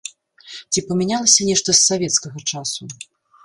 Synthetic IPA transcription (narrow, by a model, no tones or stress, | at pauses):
t͡sʲipɐmʲɛnʲalˠɐsʲɐnʲɛʂt̪ɐsːavʲɛt̪skɐɣɐt͡ʂasu